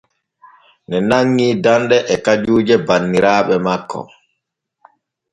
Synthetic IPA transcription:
nɛnaŋːiːdandɛʔɛkad͡ʒuːd͡ʒɛbanːiɾaːɓɛmakːɔ̰

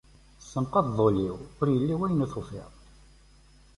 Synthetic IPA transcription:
sːəmqɑððˤoliwʊɾjəlːiwæjnæθufḭʁ

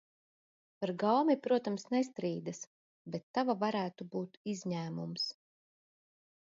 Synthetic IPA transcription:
paɾɡawmipɾuɔt̪amsnɛst̪ɾiːd̪as | bɛt̪ːavavaɾæːt̪ubuːt̪izɲæːmums

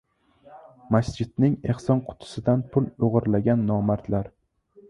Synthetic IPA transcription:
masd͡ʒɪd̪̥nɪŋe̞hsɒnqʰʊ̥t̪ʰʊ̥sɪd̪anpʰʊloʁɨɾlaɡʲanːɒmaɾt̪ʰlaɾ

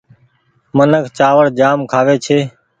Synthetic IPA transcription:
mənəkʰt͡ʃaːʋəɽd͡ʒaːmkʰaːʋeːt͡ʃʰeː

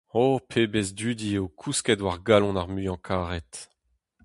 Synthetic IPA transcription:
opʰeːbezd̪yːd̪ieowkʰuskɛdwaʁɡalɔ̃naʁmyɑ̃kʰaːʁɛt̪

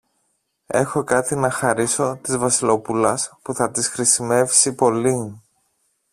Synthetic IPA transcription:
e̞xo̞kɐt̪inɐxɐɾiso̞t̪izvɐsilo̞pulɐspuθɐt̪isxɾisime̞vsipo̞li

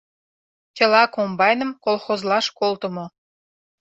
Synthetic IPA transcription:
t͡ɕʲə̆lɑkombɑjnə̆mkolxozlɑʃkolt̪ə̆mo

